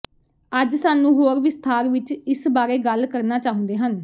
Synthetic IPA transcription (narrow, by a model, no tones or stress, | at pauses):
əd͡ʒsaːnũːɦoːɾʋɪst̪ʰaːɾʋɪt͡ʃɪsbaːɾeːɡəlkəɾnaːt͡ʃaːʊ̃nd̪eːɦən